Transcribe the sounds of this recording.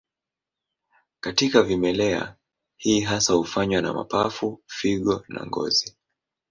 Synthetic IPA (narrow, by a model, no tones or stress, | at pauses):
katikavimɛlɛa̰ | hiːɦasahufaɲwana̰ma̰pafufiɠɔna̰ŋɡɔ̰zi